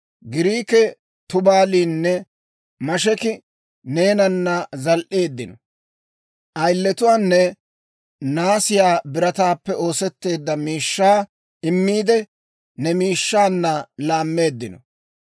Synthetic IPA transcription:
ɡɪɾiːkɛ | t̪ʊbaːliːnːɛ | mɐʃɛkɪ | ne̞ːnɐnːɐzɐlʔe̞ːd̪ːɪnɔ | ʔɐjlːɛt̪ʊwaːnːɛ | naːsɪjaːbɪɾɐt̪aːpːɛo̞ːsɛt̪ːe̞ːd̪ːɐmiːʃːaː | ɪmːiːd̪ɛ | nɛmiːʃːaːnːɐlaːmːe̞ːd̪ːɪnɔ̰

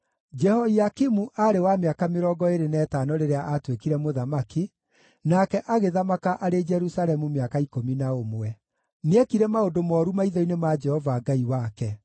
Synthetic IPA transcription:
d͡ʒɛhɔiakimuʔaɾewameakameɾɔːɡɔeɾenɛːtaːnɔɾeɾeaʔatwekiɾɛmoðamaki | nakɛʔaɣeðamakaʔaɾed͡ʒɛɾusaɾɛmumeakaikominaomwɛ | neɛkiɾɛmaodomɔːɾumaiðɔinemad͡ʒɛhɔvaɡaiwakɛ

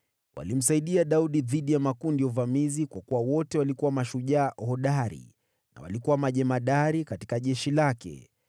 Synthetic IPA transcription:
wʔa̰lim̩saiɗiaɗauɗiðiɗijamakuːndijɔuvamizikwakuwawɔtɛwalikuwamaʃuʄaːhɔɗaɾḭ | na̰wa̰likuwamaʄɛmaɗaɾikati̥kaʄɛʃilakɛ̰

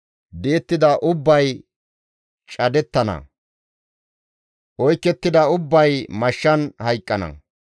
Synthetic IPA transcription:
d̪eːt̪ːɪd̪ɐʔʊbːɐj | t͡ʃʼɐd̪ɛt̪ːɐnɐ̰ | ʔɔjkːɛt̪ːɪd̪ɐʊbːɐjmɐʃːɐnhɐjkʼːɐnɐ̰

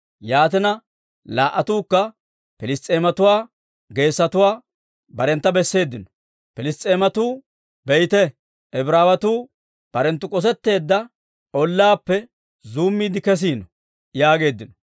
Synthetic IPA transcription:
jaːt̪ɪnɐ | laːʔɐt̪uːkːɐ | pɪlɪst̪ʼːeːmɐt̪ʊwaː | ɡe̞ːsːɐt̪ʊwaː | bɐɾɛnt̪ːɐbɛsːe̞ːd̪ːɪnɔ̥ | pɪlɪst̪ʼeːmɐt̪uː | bɛjt̪ɛ | ɛbɾaːwɐt̪uː | b̥ɐɾɛnt̪ːʊkʼɔs̬ɛt̪ːe̞ːd̪ːɐ | ʔɔlːaːpːɛ | zuːmːiːd̪ɪkɛs̬iːnɔ | jaːɡe̞ːd̪ːɪnɔ

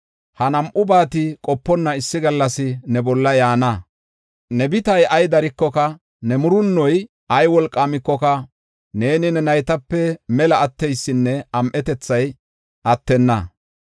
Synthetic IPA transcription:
hɐnɐmʔʊbaːt̪ɪkʼɔpːɔnːɐɪsːɪɡɐlːɐsɪnɛbɔlːɐjaːnɐ | nɛbɪt̪ɐjɐjd̪ɐɾɪkːɔkɐ | nɛmʊɾʊnːɔj | ʔɐjwɔlkʼːaːmɪkːɔkɐ | ne̞ːnɪnɛnɐjt̪ɐpːɛmɛlɐːt̪ːɛjsːɪnːɛɐmʔɛt̪ɛt͡sːɐj | ʔɐt̪ːɛnːɐ

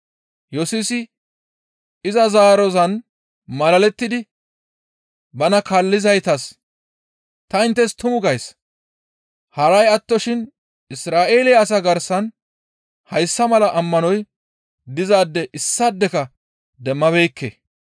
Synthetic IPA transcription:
jɔsusɪ | ɪzɐzaːɾɔzɐn | mɐlɐlɛt̪ːɪd̪ɪ | bɐnɐkalːɪzɐjt̪ɐs | t̪ɐɪnt̪ːɛst̪ʊmʊɡɐjs | hɐɾɐjɐt̪ːɔʃɪn | ɪsɾaːʔe̞ːlɪjːs̬ɐɡɐɾsɐn | hɐjsːɐmɐlɐʔɐmːɐnɔj | d̪ɪzaːd̪ːɛʔɪsːɐd̪ːɛkɐ | d̪ɛmːɐβejːkːḛː

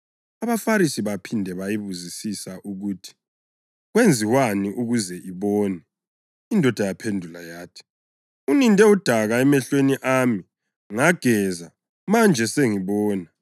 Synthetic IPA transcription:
aβafaɾisiβapʰindʱɛβajiβuzisisaʔuɣuːtʰi̥ | ɣwend͡zʱiwaniʔuɣuzɛʔiβɔːnɛ | indʱɔd̥ʱajapʰendʱulajaːtʰi̥ | unindʱɛud̥ʱaɣaɛmɛɬweniʔaːmi | ŋaɡ̥ʱɛza | mand͡ʒʱɛseŋiβɔːna

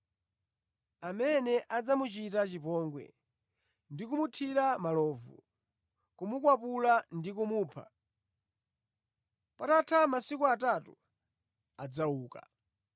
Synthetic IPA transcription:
amɛnɛʔad͡zamut͡ʃitat͡ʃipɔŋɡwɛ̰ | ndikumutʰiɾamalɔːvṵ | kumukwapulandikumuːpʰa̰ | patatʰamasikuatatu | ad͡zauːka̰

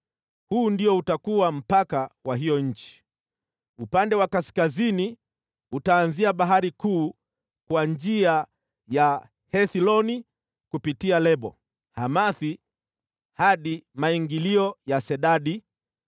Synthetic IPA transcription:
huːndiɔutakuwam̩pakawaɦijɔɲ̩t͡ʃi̥ | upandɛwakaskazini | utaːnziaɓaɦaɾikuː | kwaɲd͡ʒia | ja | hɛθilɔni | kupitialɛɓɔ̰ | hamaθi | haɗimaiŋɡiliɔjasɛɗaɗi

